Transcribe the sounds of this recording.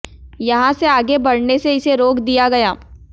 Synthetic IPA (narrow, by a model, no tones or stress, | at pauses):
jɐɦãseaːɡebɐɽneseɪseɾoːkd̪ijaɡɐjaː